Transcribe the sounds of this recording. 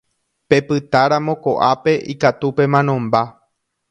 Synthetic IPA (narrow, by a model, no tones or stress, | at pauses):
pe̞pɨt̪aɾamõ̞ko̞ʔape̞ʔikat̪upe̞mãnõ̞mba